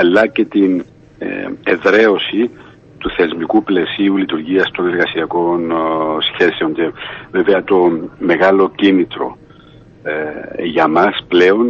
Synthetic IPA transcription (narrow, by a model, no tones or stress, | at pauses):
ɐlːɐce̞t̪in̰ | eðɾe̞o̞si | t̪uθe̞zmikuple̞siulit̪uɾʝiɐst̪o̞ne̞ɾɣɐsiɐko̞nsçe̞se̞o̞ɲce̞veveɐt̪o̞me̞ɣɐlo̞cinit̪ɾo̞̰ | ʝɐmɐsple̞o̞n